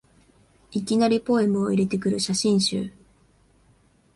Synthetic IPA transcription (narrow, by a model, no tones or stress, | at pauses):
ikʲinaɾʲipo̞e̞mɯ̟o̞iɾe̞t̪e̞kɯ̟ɾɯ̟ɕaɕĩɰ̃ɕɨ̰ː